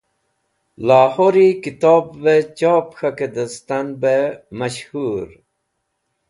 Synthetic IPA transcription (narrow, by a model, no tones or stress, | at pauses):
laːhoɾikit̪oːbːet͡ɕaːpxaked̪əst̪anbemɐɕhuːɾ